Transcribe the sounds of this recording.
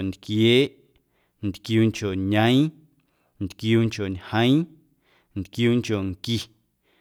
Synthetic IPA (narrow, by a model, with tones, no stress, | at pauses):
nd̪kjeː˦ʔ | n̩t̪kjuː˧ŋko˨ɲə̃˦j̃ | nt̪kjuː˧ŋko˨ɲhə̃˦j̃ | n̩t̪kjuː˦ŋkʲo˨ŋki˨